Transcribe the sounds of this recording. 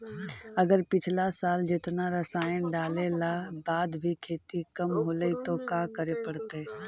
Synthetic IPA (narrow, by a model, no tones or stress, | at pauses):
ɐɡəɾpɪt͡ʃʰlasaːld͡ʒɪt̪naɾəsaːjənɖaːlelabaːd̪bʱikʰeːt̪ikəmɦoːləit̪okaːkəɾepəɽt̪e